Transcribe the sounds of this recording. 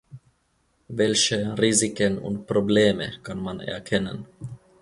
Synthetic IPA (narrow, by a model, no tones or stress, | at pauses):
vɛlçəʁiːzɪkənʊ̰ntpʁ̥obleːməkʰanmanɛ̰ɐkʰɛnən